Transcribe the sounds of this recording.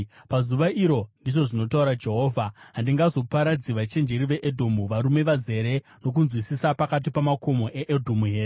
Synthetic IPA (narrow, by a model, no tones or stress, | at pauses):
pazuʋaʔiɾo̞ndiʐo̞ʐino̞tauɾad͡ʒe̞ɦo̞ːvʱaɦandiŋɡazo̞paɾad͡ziʋat͡ʃe̞nd͡ʒe̞ɾiʋe̞ʔedʱo̞muʋaɾume̞ʋaze̞ɾe̞ | no̞k̬unzwisisapakat̬ipamako̞mo̞ʔe̞ʔedʱomuɦe̞ːe